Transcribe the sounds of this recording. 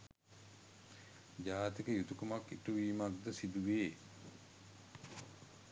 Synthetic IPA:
d͡ʒaːt̪ikəjut̪ukumakːiʈuʋiːmaɡ̚d̪əsid̪uʋeː

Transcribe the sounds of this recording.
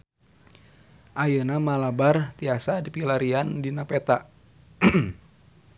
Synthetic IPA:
ʔajənamalabart̪iasadipilaɾiandinapɛt̪aʔ

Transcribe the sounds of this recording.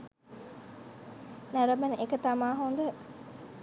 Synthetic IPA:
næɾɐmənekət̪amaːɦond̪ə

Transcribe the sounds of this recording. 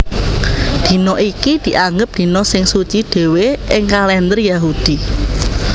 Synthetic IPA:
d̪̥i̤nɔʔikid̪̥i̤ʔaŋɡəp̚d̪̥i̤nɔsɪŋsut͡ʃiɖ̪̥e̤weɪŋkalɛnd̪ərjaɦud̪̥i̤

